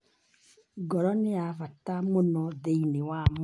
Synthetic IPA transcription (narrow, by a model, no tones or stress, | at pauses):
ɡɔɾɔneavatamonɔðeinewam